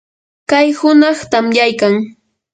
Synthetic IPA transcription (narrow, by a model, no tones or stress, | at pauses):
kajhʊnɑχt̪amjajkaŋ